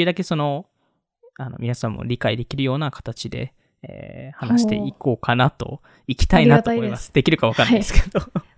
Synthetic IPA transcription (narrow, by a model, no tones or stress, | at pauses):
jiɯd̪ake̞so̞no̞ | ano̞̰mʲinasãmːo̰ɾʲikaid̪e̞kʲiɾɯ̟jo̞ːnakʰḁt̪at͡ɕid̪e̞̰ | ḛːhanaɕi̥t̪e̞̰ʔiko̞ːkʰanat̪o̞̰ | ikʲi̥t̪ainat̪oːmoimasɨ̥d̪e̞kʲiɾɯ̟kaβakanad̪esɨ̥ked̪o